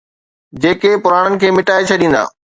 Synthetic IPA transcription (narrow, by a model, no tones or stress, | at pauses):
d͡ʑeːkepʊɾaːɽənɪ̆kʰeːmɪʈaːet͡ɕʰɐɗĩːn̆d̪a̰ː